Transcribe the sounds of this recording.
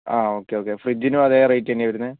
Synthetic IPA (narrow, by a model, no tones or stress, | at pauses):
aːo̞ːkːeoːkːefrid͡ʑinuɐðerejʈːenːeʋɐɾunːɨ